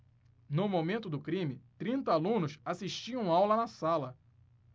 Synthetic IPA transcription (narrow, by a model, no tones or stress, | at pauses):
nʊmomẽnt̪ʊd̪ʊkɾĩmɪt̪ɾĩnt̪ɐalũnʊsasiʃt͡ʃiɐ̃w̃awlɐnɐsalɐ